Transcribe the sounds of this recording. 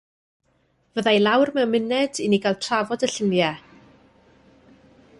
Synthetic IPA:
vəðajlˠawrmɛwmɪnɛdiniɡalˠtʰravɔdəɬənjɛ

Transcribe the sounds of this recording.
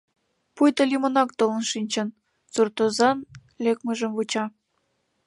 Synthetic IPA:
pujt̪ɤ̆lʲimŏnɑk̚t̪olə̆nʃinʲt͡ɕɤ̆n | t͡surt̪ozɑn | lʲekmə̆ʒə̆mvut͡ɕɑ

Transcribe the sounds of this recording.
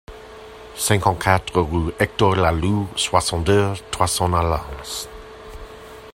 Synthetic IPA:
sɛ̃ŋkɑ̃nkʰat̪ʁəʁuɛk̚tɔlaluswasɑ̃ndət̪ʰwasɑ̃nalans

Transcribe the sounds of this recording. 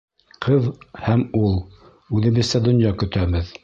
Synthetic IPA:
qʰɤðhæmulˠ | ʉðɘ̆βɘ̆ðsæd̪ŏnjɑkɵ̆t̪æβɘð

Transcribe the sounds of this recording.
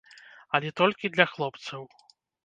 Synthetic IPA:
ɐlʲɛt̪ɔlʲkʲid̪lʲɐxlˠɔpt̪sɐw

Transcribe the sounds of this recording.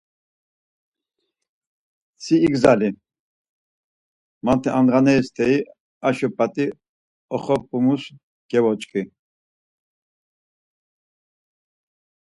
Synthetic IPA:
sʰiːɡzali | mant̪ʰɛʔanʁanɛist̪ʰɛi | aʃɔpʼat̪ʼi | ɔχɔpʼumus | ɡ̥ɛvɔt͡ʃʼkʼi

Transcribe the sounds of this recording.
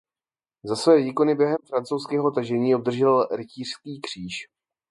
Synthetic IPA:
zasvɛːviːko̞nɪbjɛɦɛmfɾant͡sowskɛːɦo̞t̪aʒɛɲiːob̚d̪r̩ʒɛlɾɪciːr̝̥skiːkr̝̥iːʃ

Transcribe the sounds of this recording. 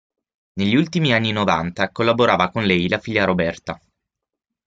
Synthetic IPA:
neʎːiult̪imianːinovant̪akolːaboɾaːvakonlɛjlafiʎːaɾobɛrt̪a

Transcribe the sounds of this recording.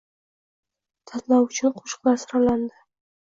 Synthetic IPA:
t̪ʰɑt̪lɑwʊt͡ʃʰɪnqʰo̥ʃqlˠasʊɾaland̪ɪ

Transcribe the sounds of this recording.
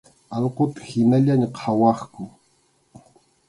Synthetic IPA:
ɑlqot̪ḁhɪnaʎaɲaqʰɑwɑχkʊ

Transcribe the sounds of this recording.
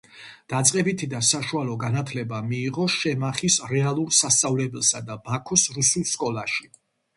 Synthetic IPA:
d̪̥at̪sʼqʼɛbit̪ʰid̪asaʃualˠɔɡanat̪ʰlɛbamiːʁɔʃɛmaχisɾɛalˠuɾsast̪sʼavlɛbɛlˠsad̪abakʰusɾusulˠskʼɔlˠaʃi

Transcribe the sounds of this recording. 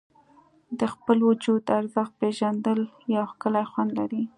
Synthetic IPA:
d̪əxpəlwʊd͡ʒud̪aɾzəx̚peʒand̪əljɑwxkəlajxwand̪laɾi

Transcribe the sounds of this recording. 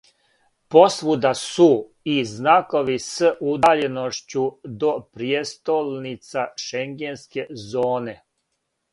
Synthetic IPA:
po̞sʋud̪asu | iznako̞ʋisəʔud̪aʎenoʃt͡ɕud̪o̞pɾijest̪olnit̪saʃeŋɡenske̞zoːne̞

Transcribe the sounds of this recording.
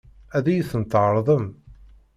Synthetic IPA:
æðæjəθənt̪ʕəɾˤðˤəm

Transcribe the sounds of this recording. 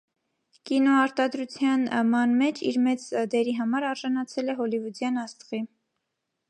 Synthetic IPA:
kinɔɑɾt̪ɑd̪ɾut͡sʰjɑnmɑnmɛt͡ʃʰḭɾmɛt͡sd̪ɛɾiɦɑmɑɾɑɾʒɑnɑt͡sʰɛlɛɦɔlivud̪jɑnɑst̪ʁi

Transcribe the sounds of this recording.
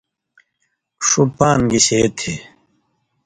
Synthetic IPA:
ʂupaːnɡiɕet̪ʰe

